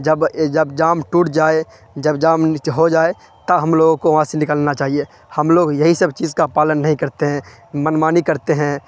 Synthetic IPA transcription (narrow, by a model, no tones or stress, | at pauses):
d͡ʒəbd͡ʒəbd͡ʒaːmʈuːʈd͡ʒaːe | d͡ʒəbd͡ʒaːmɦod͡ʒaːe | t̪əɦəmloːɡõkoʋɐɦãsenɪkəlnat͡ʃaːɦie | həmloːɡjəɦisəbt͡ʃiːzkapaːlənːɐɦĩkɐɾt̪eɦɛ̃ | mənmaːnikəɾt̪eɦɛ̃